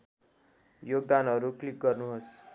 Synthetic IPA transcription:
joɡ̚d̪anɦʌɾuklik̚ɡʌrnuɦos

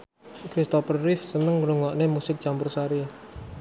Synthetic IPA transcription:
kɾist̪ɔfərrɪfsənəŋɾuŋɔʔnemusɪk̚t͡ʃampʊrsaɾi

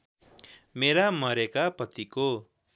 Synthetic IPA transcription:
meɾamʌɾekapʌt̪iko

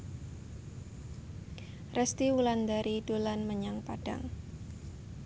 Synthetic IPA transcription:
rʔɛst̪iwuland̪aɾid̥olanməɲaŋpad̥a̰ŋ

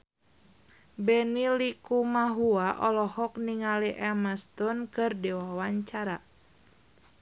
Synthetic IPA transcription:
bɛnilikumaɦuaʔɔlɔhɔkniŋaliʔɛmast̪ɔnkɨrdiwawaɲt͡ʃaɾa

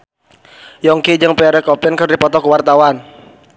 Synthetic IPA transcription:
jɔŋkid͡ʒɨŋpɛaɾɛkɔpɪnkɨrdipɔt̪ɔkəwart̪awan

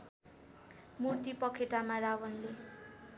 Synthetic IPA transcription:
murt̪ipʌkʰeʈamaɾawʌnle

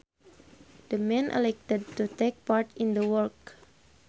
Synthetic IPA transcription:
d̥əmɛ̃nʔə̰lɛk̚tɛd̚tut̪ek̚paɹtĩndəwɔlk

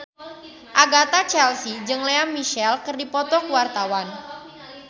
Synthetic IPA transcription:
ʔaɡat̪at͡ʃɛlsid͡ʒɨŋleammːiʃɛlkərdipɔt̪ɔkuwart̪awan

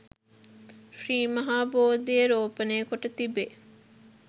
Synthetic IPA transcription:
friːmɐɦaːboːd̪ijəɾoːpəneːkoʈət̪ibe

